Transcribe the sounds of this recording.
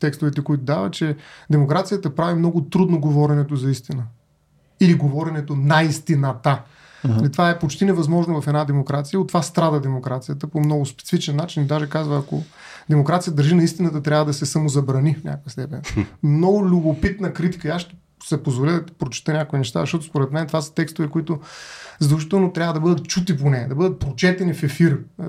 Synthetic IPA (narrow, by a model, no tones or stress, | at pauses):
t̪ɛkst̪ʊvɛt̪ɛkoit̪ʊd̪avɐt͡ʃɛd̪ɛmokɾat̪sijət̪əpɾavimnɔɡʊt̪ɾud̪noɡovɔɾɛnɛt̪ozɐist̪inə | iliɡovɔɾɛnɛt̪onɐist̪inət̪a | lit̪ovaɛpot͡ʃt̪inɛvɐzmɔʒnovɐfɛd̪ad̪ɛmokɾat̪sijəot̪ːovast̪ɾad̪əd̪ɛmokɾat̪sijət̪əpomnɔɡʊspɛ̥t̪si̥fit͡ʃɛnːat͡ʃinid̪aʒɛkazvəːko̰ | d̪ɛmokɾat̪sijəd̪ɐɾʒinɐist̪inət̪ət̪ɾʲavəd̪ɐsɛsɐmozɐbɾɐnifnʲa̰koəst̪ɛpɛ̰nmnɔɡʊlʲʊbopit̪nəkɾit̪i̥kəiasʃt̪ɛ̥ | sɛpozvolɛd̪ɐt̪i̥pɾot͡ʃi̥t̪ənʲakʊinɛʃt̪a̰zɐʃtɔt̪ʊ̥spoɾɛt̪mɛnɛt̪vasə̥t̪ɛkst̪ʊvɛkoit̪ʊzd̪ɛlˠʃit̪ɛlˠnot̪ɾʲavəd̪ɐbɤd̪ət̪̚t͡ʃut̪iponɛd̪ɐbɤd̪ət̪̚pɾot͡ʃɛt̪ɛnifɛfiɾ